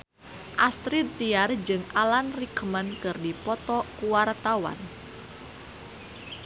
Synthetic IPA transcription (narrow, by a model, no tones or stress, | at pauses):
ʔast̪ɾidt̪iard͡ʒɨŋalanrikmənkɨrdipɔt̪ɔkuwart̪awa̰n